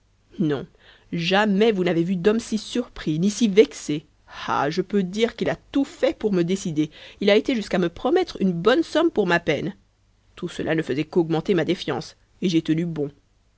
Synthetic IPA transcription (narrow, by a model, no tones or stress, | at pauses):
nɔ̰̃ | ʒamɛvunavevyd̪ɔmsisyʁpχinisivɛkse | ha̰ʒəpød̪iʁkilat̪ufɛpuʁməd̪esid̪eilaet̪eʒyskaməpχɔmɛt̪χynbɔnsɔmpuʁmapɛn | t̪usəlʔa̰nəfəzɛkɔɡmɑ̃t̪emad̪efjɑ̰̃s | eʒɛt̪ənybɔ̃